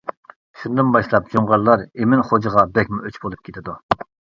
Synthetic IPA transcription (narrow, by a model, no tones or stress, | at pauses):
ʃund̪ɨnbɑʃlˠɑp̚d͡ʒoŋʁɑɾlˠɑɾemɪnχod͡ʒəʁɑbɛkʲmuøt͡ʃbolˠup̚kʲʰet̪ʰɪd̪u